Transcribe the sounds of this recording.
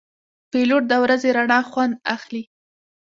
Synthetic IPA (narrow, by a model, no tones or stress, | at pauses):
peloʈ̚d̪əwɾazeɾaɳɑxwand̪axli